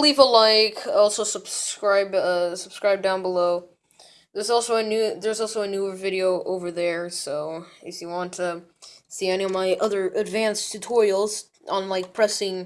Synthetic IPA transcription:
livəlaɪkɔlˠsoʊsəb̥skɹaɪbʌsəb̥skɹaɪb̚dãʊ̃nbəloʊ | ðə˞zɔlˠsoʊɨnʉðə˞zɔlˠsoʊɨnʉvɪɾioʊʔoʊvə˞ðə˞soʊɨfjɨwɑ̃ntʰɨsiɛñiʌvmaɪʔʌðə˞ʔɨdvæ̃nstʰɨtʰɔɹɪl̩ˠz̥ | ʔn̩laɪk̚pʰɹ̥ɛsɪ̃ŋ

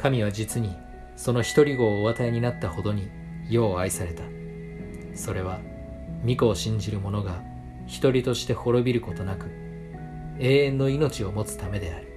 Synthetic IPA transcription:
kamʲiβ̞ad͡ʑit͡sɨɲ̟i | so̞no̞çi̥t̪o̞ɾʲiɡo̞ːβat̪aeɲ̟inat̪ːaho̞d̪o̞ɲ̟i | jo̞ːaisaɾe̞t̪a | so̞ɾe̞βa | mʲiko̞ːɕĩɲ̟d͡ʑiɾɯ̟mo̞no̞ɡa | çi̥t̪o̞ɾʲit̪o̞ɕi̥t̪e̞ho̞ɾo̞bʲiɾɯ̟ko̞t̪o̞nakɯ̟ | e̞ːẽ̞nːo̞ino̞t͡ɕio̞mo̞t͡sɨ̥t̪ame̞d̪e̞aɾɯ̟

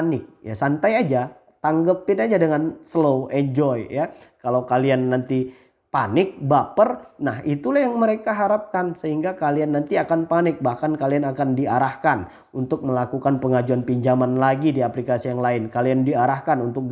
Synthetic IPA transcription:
nɪk̚jasant̪ajad͡ʒa | t̪aŋɡəpɪnad͡ʒadəŋansloʔɛɲd͡ʒɔjjakalawkalianːant̪i | panɪk̚bapərnahit̪ulahjaŋməɾekaɦaɾap̚kansəhiŋɡakalianːant̪iakanpanɪk̚bahkankalianakandiaɾahkan | unt̪ʊk̚məlakukanpəŋad͡ʒuanpiɲd͡ʒamanlaɡidiaplikasijaŋlaɪnkaliandiaɾahkanunt̪ʊk̚

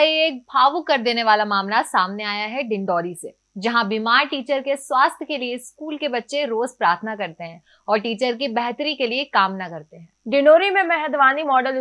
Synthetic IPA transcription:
ieːk̚bʱaːʋukɐɾd̪eːneʋaːlamaːmnaːsaːmneaːjaɦɛɖɪ̃ɳɖɔːɾiseː | d͡ʒɐɦãbimaːɾʈiːt͡ʃəɾkeswaːst̪ʰjkelieskuːlkebɐtːʃeɾoːzpɾaːɾt̪ʰnakɐɾt̪eɦɛ̃ː | ɔːɾʈiːt͡ʃəɾkibɛɦt̪ɾikeliekaːmnakɐɾt̪eɦɛ̃ːɖɪnoːɾimẽmɛɦɛd̪ʋaːnimɔːɖəl

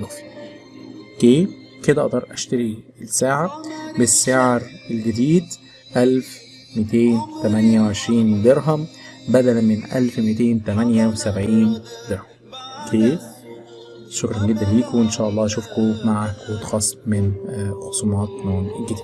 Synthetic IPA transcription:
f | ʔokeː | ked̪æʔd̪ɑɾˤʔæʃt̪æɾi | saːʕabesːeʕɾelɡɪd̪iːd̪ | ʔælf | met̪eːnt̪æmænjæwʕeʃɾiːnd̪eɾɦæmbæd̪ælænmɪnʔæ̰lfmit̪eːnt̪æmænjæwesæbʕiːnd̪eɾhæmkʰeː | ʃokɾˤɑnɡed̪ːænliːkoenʃæːʔɑlˤːɑːʃuːfkomaʕakwt̪xɑsˤːmɪnxosˤumɑːt̪noːnelɡɪd̪i̥ː

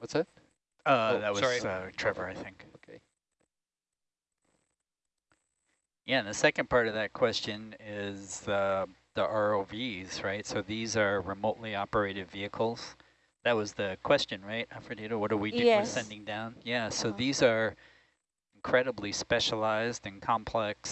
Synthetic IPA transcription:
wʌtsɨt̚ | ʌðɨt̚wʌzʌtʰɹ̥ɛvə˞aɪθɪ̃ŋkʰ | jæɨ̃nðɨsɛkɨ̃npʰɑɹɾʌvðɨt̚kʰw̥ɛst͡ʃɨ̃nɪzʌ | ðiʔɑɹoʊviz̥ɹaɪtsoʊðizə˞ɹɨmoʊʔˡliɑpə˞eɪɾɨdviɨkʰl̩ˠz̥ | ðɨt̚wʌzðɨkʰw̥ɛst͡ʃɨ̃nɹaɪt̚afɨdiɾowʌɾə˞widɨəsɛ̃ndɪ̃ŋdãʊ̃njæsoʊðizə˞ | n̩kʰɹ̥ɛɾəblispɛʃəlaɪzdɨ̃nkʰɑ̃mpʰl̥ɛks

